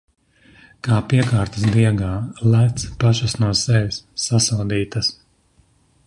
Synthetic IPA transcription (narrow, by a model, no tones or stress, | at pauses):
kaːpiɛkaːɾt̪ɐs̬d̪iɛɡaːlæt̪spaʃasnuɔsɛʋʲisːasawd̪iːt̪ɐs